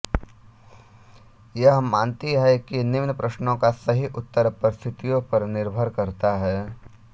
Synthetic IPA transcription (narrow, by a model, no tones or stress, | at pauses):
jɐɦɦɐmːaːnt̪iɦɛkinɪʋnəpɾɐʃnõkasɐɦiʔʊt̪ːəɾpɐɾst̪ʰɪt̪ijõpɐɾnɪɾbʱəɾkɐɾt̪aɦɛː